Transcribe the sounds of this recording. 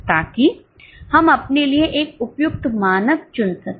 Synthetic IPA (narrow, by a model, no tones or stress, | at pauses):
t̪aːki | hɐmɐpnelieʔeːk̚ʊpjʊk̚t̪maːnəkt͡ʃʊnsɐk